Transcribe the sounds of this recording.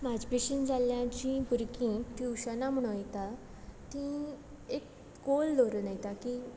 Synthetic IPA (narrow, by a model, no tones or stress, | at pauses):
mad͡ʑpiɕind͡zaljãt͡ɕĩpuɾkĩt̪iwɕənam̤əɽ̃ũjt̪a | t̪ĩ | ek | kold̪oɾunajt̪aki